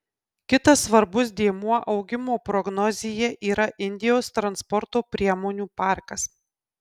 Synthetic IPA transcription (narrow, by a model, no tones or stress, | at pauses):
kʲɪt̪ɐsːʋɐɾbʊsd̪ʲiɛmuɔʔɒʊɡʲɪmoːpɾɔɡnɔzʲɪjɛʔiːɾɐʔɪnʲd̪ʲɪjoːst̪ɾɐnspɔɾt̪oːpʲɾʲiɛmoːnʲuːpɑˑɾkɐs